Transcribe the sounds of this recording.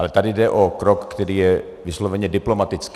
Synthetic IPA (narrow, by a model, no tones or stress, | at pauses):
lɛt̪adɪdɛʔokɾokːt̪ɛɾiːjɛ | vɪslovɛɲɛdɪplomat̪ɪt͡sk